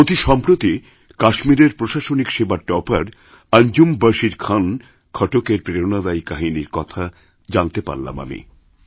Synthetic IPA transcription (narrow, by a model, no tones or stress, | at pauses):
ot̪iʃɔmpɾot̪i | kaʃmiɾeɾpɾoʃaʃonikʃebaʈɔpaɾ | and͡ʑumbaʃiɾkʰan | kʰɔʈokeɾpɾeonad̪ajkaɦiniɾkɔt̪ʰa | d͡ʑant̪epa̰ɾla̰ma̰mḭ